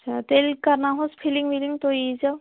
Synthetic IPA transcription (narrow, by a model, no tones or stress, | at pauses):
t͡ʃʰat̪elkaɾnaɦospʰiliŋmiliŋt̪oizaw